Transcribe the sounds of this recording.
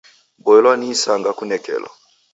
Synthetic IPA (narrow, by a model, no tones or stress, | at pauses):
bɔɛlwanisaŋɡakunɛkɛ̰lwa̰